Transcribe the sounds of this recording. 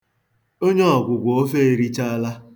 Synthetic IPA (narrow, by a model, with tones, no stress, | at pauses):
o˦ɲe˦ɔ˨ɡʷʊ˨ɡʷo˨o˦fe˦e˦˨ɾi˦t͡ʃa˦a˦la˦